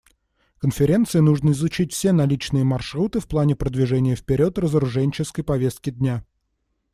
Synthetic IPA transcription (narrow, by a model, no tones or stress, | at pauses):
kənfʲɪɾʲe̞nt̪sɨɪnuʐnəɪzʊt͡ɕitʲfsʲe̞nɐlʲit͡ɕnɨjəmɐrʂɾut̪ɨfplˠanʲɪpɾəd̪vʲɪʐɛnʲɪjəfpʲɪɾʲo̞t̪rəzəɾʊʐɛnʲt͡ɕɪskəjpɐvʲe̞st̪̚kʲɪd̪ʲnʲa